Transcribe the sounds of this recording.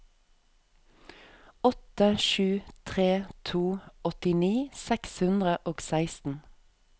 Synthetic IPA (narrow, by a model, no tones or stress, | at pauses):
ɔt̪əʃʉːt̪ʰʁeːt̪ʰuːɔt̪ɪniːsɛkshʉnd̪ʁəʔoːɡsæɪst̪n̩